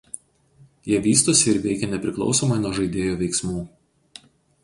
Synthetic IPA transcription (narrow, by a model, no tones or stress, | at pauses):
jiɛʋʲiːst̪oːsʲɪɪɾʋʲɛɪkʲɛnʲɛpʲɾʲɪklˠɒ̰ʊsoːmɐɪnuɔʒɐɪd̪ʲeːjoːʋʲɛɪksmuː